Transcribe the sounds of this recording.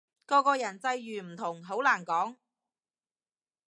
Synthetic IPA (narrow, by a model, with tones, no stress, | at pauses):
kɔː˧kɔː˧jɐ˨˩nt͡sɐ˧jːyː˨˩m̩˨˩t̪ʰʊ˨˩ŋɦo˨˥wlaː˨˩nkɔː˨˥ŋ